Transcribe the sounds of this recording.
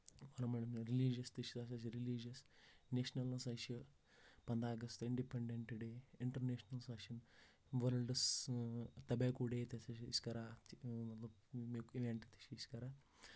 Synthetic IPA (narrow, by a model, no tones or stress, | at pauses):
ɐɾɐmɐɳimɾiliːd͡ʒɐst̪iʃi̥sasɐʃ̬iɾilid͡ʒɐsneːʃnɐlɐsɐʃi | pɐnd̪aːɡɐst̪iɳɖipeɳɖeɳʈɖeːiɳʈɐɾneːʃnɐlsɐʃɐn | ʋɐɾɐɭɖɐs | t̪ɐbeːkuɽeːt̪esɐiskɐɾaɐt̪ɐ | mekiʋeɳʈt̪ʰi̥ʃiːskɐɾa